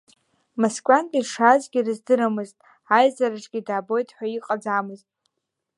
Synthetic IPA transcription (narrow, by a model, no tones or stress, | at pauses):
maskʷʼantʼiʂazɡʲirɨzdɨɾamɨztʼ | ajzaɾaʈ͡ʂʼɡʲidaːbo̞jtʰʼħʷᶣaiqʼad͡zaːmɨztʼ